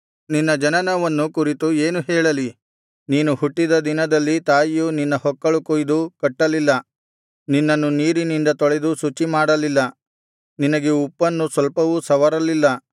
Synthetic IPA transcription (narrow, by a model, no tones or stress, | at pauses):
ninːɐd͡ʒɐnɐnɐʋɐnːukuɾit̪ueːnuɦɛːɭɐli | niːnuhuʈːid̪ɐd̪inɐd̪ɐlːit̪aːjjuninːɐhɔkːɐɭukojd̪ukɐʈːɐlilːɐ | ninːɐnːuniːɾinind̪ɐt̪ɔɭɛd̪usut͡ʃːimaːɽɐlilːɐ | ninɐɡeupːɐnːusʋɐlpɐʋusɐʋɐɾɐlilːɐ